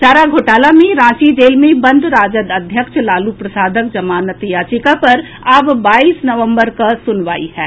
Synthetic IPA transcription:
t͡ʃaːɾaɡʱoːʈaːlamẽɾãːt͡ʃid͡ʒeːlmẽbɐ̃nd̪ʱɾaːd͡ʒəd̪ɐd̪ʱjəkʃlaːlupɾɐsaːd̪ʱək̚d͡ʒɐmaːnət̪ijaːt͡ʃikapɐɾ | abbaːiːsnɐʋə̃mbəɾkasʊnʋa̰ːḭhɛː

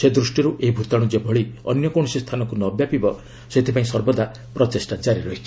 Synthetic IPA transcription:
sed̪ɾusʈiɾuʔeɦibʱut̪aɽ̃ud͡ʒebʱɔɭiɔ̰njɔkoɽ̃sist̪ʰanɔkunɔbjapibɔ | set̪ʰipaĩsɔɾbɔd̪a | pɾɔt̪esʈad͡ʒaɾiɾɔɦit͡ʃʰi

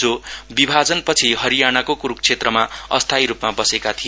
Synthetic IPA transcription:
d͡zobibʱad͡zʌnpʌt͡sʰiɦʌɾijañakokuɾuk̚t͡sʰet̪rʌmaʌst̪ʰajɾupmabʌsekat̪ʰi

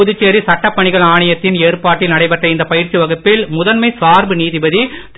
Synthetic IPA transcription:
ʊðɯt͡ʃːeːɾisɐʈːɐpːɐɳɪɣɐɭaːɳɐjɐt̪ːɪneːrpaːʈːɪlnɐɽɐɪpɐʈrɐɪnd̪ɐpɐjɪɾt͡ʃːiʋɐɣɯpːɪlmʊðɐnmɐɪsaːɾbɯniːðɪbɐðit̪

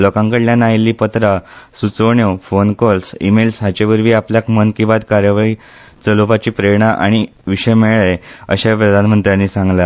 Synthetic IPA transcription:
lɔkãŋkəɽljãnajilːiːpət̪ɾasut͡soɳjofonkɔlsḭmelsɦat͡ɕeʋəɾʋiːapljakmənkĩʋad̪kaɾjəʋai | t͡səlupat͡ɕiːpɾeɳaʔa̰ɽ̃i | ʋiɕəjmeɭɭəjəɕapɾəd̪ʱanmənt̪ɾjãnːiːsãŋɡla

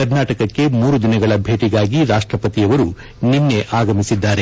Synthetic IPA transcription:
kɐɾnaːʈɐkɐkːe̞muːɾud̪inɐɡɐɭɐbʱe̞ːʈiɡaːɡiɾaːʂʈɾɐpɐt̪ijɐʋɐɾu | ninːe̞ʔaːɡɐmisid̪ːaːɾe̞

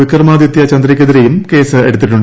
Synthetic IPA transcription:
ikʲːɐrmaːd̪jit̪ːjɐt͡ɕɐnd̪ɾikʲːeðiɾejumke̞ːsɨe̞ɽut̪ːiʈ̬ːuɳɖ

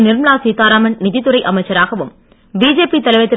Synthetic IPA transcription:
nɪɾmɭaːsit̪ːaːɾaːmɐnnɪðɪt̪ːɯɾɐɪʔɐmɐɪt͡ʃːɐɾaːɣɐʋɯm | biːd͡ʒeːpit̪ɐlɐɪʋɐt̪ːɪ

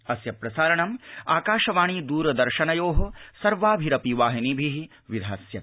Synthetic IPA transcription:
ɐsjɐpɾɐsaːɾɐɳɐmaːkaːʃɐʋaːɳ̃iːd̪uːɾɐd̪ɐɾʃɐnɐjoːɦosɐɾʋaːbʱiɾɐpiʋaːɦinibʱiɦi | ʋid̪ʱaːsjɐ

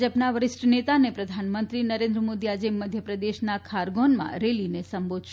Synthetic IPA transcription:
d͡ʒəpnaʋəɾɪsʈənet̪anepɾəd̪ʱanmənt̪ɾinəɾẽnd̪ɾəmod̪iad͡ʒeməd̪ʱjəpɾəd̪eʃnakʰaɾɡonmã̰ɾelinesəmbod̪ʱʃ

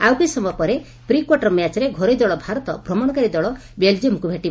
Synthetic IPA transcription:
awkisɔmɔpɔɾe | pɾikwɔʈɔɾmjat͡ʃɔɾeɡʱɔɾɔjd̪ɔɭɔbʱaɾɔt̪ɔbɾɔmɔɽ̃ɔkaɾid̪ɔɭɔbeld͡ʒiomkubʱeʈiba

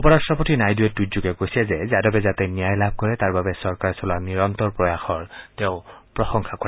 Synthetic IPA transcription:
upɔɹasɹɔpotinajduɛt̚ːuzuɡɛkojsɛzɛzadabɛzatɛnijajlab̚ʱkɔɹɛtaɹbabɛsɔɹkaɹsɔlaniɹɔntɔɹpɹɔjaxɔɹtɛʊ̃pɹɔsɔŋxʰakɔɹɛ

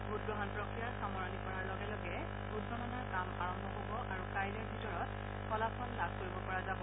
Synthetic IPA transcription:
bʱut̚ɡɔɦɔnpɹɔkɹijaɹxamɔɹɔnipɔɹaɹlɔɡɛlɔɡɛ | bʱut̚bɔnanaɹkamaɹɔmbʱɔɦobɔʔaɹukajlɔɹbʱitɔɹɔt̚ | xɔlapʰɔnlab̚ʱkoɹibɔpɔɹazabɔ

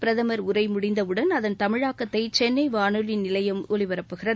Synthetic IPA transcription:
pɪɾɐðɐmɐɾʊɾɐɪmʊɽɪnd̪ɐʋɯɽɐnɐðɐnt̪ɐmɪɻaːkːɐt̪ːɐɪt͡ʃɛnːɐɪʋaːɳɯlɪnnɪlɐjɐmolɪʋɐɾɐpːɯɣɪrɐð

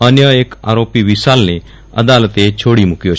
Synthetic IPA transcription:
ənjəeka̰ɾopiʋisalne | ə̰d̪alət̪et͡ʃʰoːɽimʊkjo

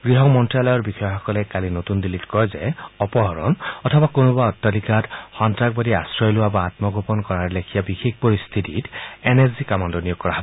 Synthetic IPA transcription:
ɡ̥ɹiɦɔmɔntɹialɔjɔɹbixɔjɔxɔkɔlɛkalinotundilitkɔjzɛɔpɔɦɔɹɔ̰nɔtʰɔbakonubaɔtːɔlikatxɔntɹaɡ̚badiasɹɔjlowabaːtmɔɡopɔnkɔɹaɹɛlekʰijabixek̚pɔɹist̪ʰititenezikamandɔnijoɡ̚kːɔɹaɦɔbɔ

